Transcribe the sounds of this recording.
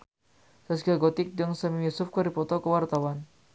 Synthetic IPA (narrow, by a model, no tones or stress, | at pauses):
sasɡaɡɔt̪ɪk̚d͡ʒəŋsamijusʊfkɔɾipɔt̪ɔkəwart̪awan